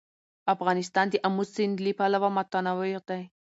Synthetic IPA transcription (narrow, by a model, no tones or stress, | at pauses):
afɣɑnɪs̬t̪ɑnd̪əʔamusɪnd̪lipalawamat̪anawɪqd̪aj